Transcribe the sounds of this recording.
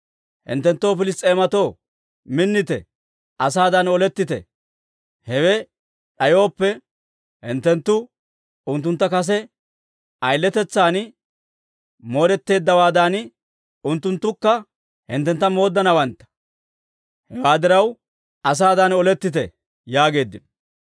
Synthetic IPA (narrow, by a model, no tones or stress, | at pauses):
hɪ̰nt̪ːɛnt̪ːo̞ːfɪlɪst̪ʼːe̞ːmɐt̪o̞ː | mɪnːɪt̪ɛ̰ | ɐsaːd̪ɐnɔlɛt̪ːɪt̪ɛ̰ | hɛwɛ | ᶑɐjo̞ːpːɛ | hɪ̰nt̪ːɛnt̪ːʊ | ʊnt̪ːʊnt̪ːɐkɐs̬ɛ | ʔɐjlːɛt̪ɛt͡sːaːn | mo̞ːɾɛt̪ːe̞ːd̪ːɐwaːd̪an | ʊnt̪ːʊnt̪ːʊkːɐ | hɪ̰nt̪ːɛnt̪ːɐmo̞ːd̪ːɐnɐwɐnt̪ːɐ̥ | hɛwaːd̪ɪɾɐw | ʔɐs̬aːd̪ɐnɔlɛt̪ːɪt̪̬ɛ | jaːɡe̞ːd̪ːɪn